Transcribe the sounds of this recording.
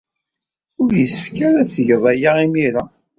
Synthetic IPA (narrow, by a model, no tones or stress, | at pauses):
ʊɾjəsə̥fkæɾæt͡sːʝəðˤæjaimiɾa